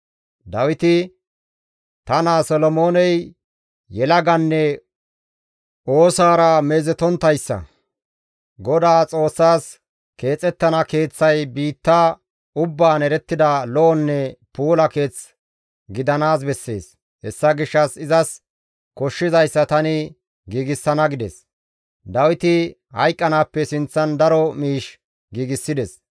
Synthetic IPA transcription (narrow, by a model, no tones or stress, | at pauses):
d̪ɐwɪt̪ɪ | t̪ɐnaːsɔlɔmo̞ːnɛj | jɛlɐɡɐnːɛ | ʔo̞ːsaːɾɐmeːzɛt̪ɔnt̪ːɐjsːɐ̰ | ɡɔd̪aːt͡sʼo̞ːsːaːs | ke̞ːt͡sʼɛt̪ːɐnɐke̞ːt͡sːɐjbiːt̪ːaː | ʊbːaːnɛɾɛt̪ːɪd̪ɐlɔɔnːɛpuːlɐke̞ːt͡s | ɡɪd̪ɐnaːs̬bɛsːe̞̰ːs | hɛsːɐɡɪʃːɐsɪzɐs | kɔʃːɪzɐjsːɐt̪ɐnɪ | ɡiːɡɪsːɐnɐɡɪd̪ɛs | d̪ɐwɪt̪ɪ | hɐ̰jkʼːɐnaːpːɛsɪnt͡sːɐnd̪ɐɾɔmiːʃ | ɡiːɡɪsːɪd̪ɛs